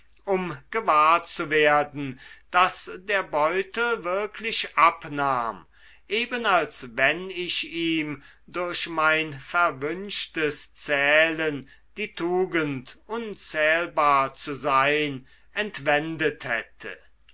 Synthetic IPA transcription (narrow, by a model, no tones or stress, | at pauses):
ʔʊmɡ̥əvaːɐt͡suveːɐdn̩d̥asdeːɐbɔʏtl̩vɪɐkʰlɪʃʔapnaːm | ʔeːbənalsvɛnɪʃiːm | dʊɐʃmaɪnfɛɐvʏnʃtəst͡sɛːlən | d̥iːtʰuːɡəntʔʊnt͡sɛːlbaːɐt͡suzaɪn | ɛntv̥ɛndəthɛ̰tʰə̰